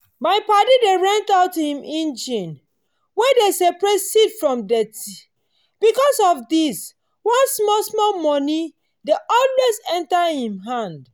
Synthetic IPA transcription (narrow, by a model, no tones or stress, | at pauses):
maɪpadideɹãntaʊtːuhĩmʔĩnd͡ʒĩn | wɛdesɛpɹesitfɹɔ̃mdɛti | b̥ikɔsɔfdis | wɔ̃nsmɔlsmɔlmɔni | deʔɔlwezɛ̃ntahĩmɦãnd